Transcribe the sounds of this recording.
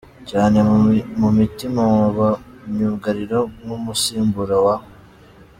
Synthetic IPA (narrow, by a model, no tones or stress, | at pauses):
caːne̞mumitimamuβa | ɲuɡaɾiɾonumusiːmbuɾawaho